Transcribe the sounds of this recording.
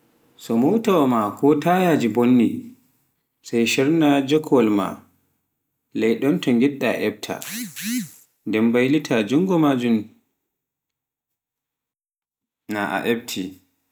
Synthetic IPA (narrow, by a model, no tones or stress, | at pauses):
sɔmɔwtawɔmakʰɔtajad͡ʒibonːi | sajʃɛɾnad͡ʒɔkʰɔlma̰ | lɛjɗɔntɔŋɡɛɗːa̰ʔɛb̚tʰa̰ | ndɛmbajlitʰad͡ʒuŋɡɔmad͡ʒum | na̰ʔa̰ʔɛbtʰi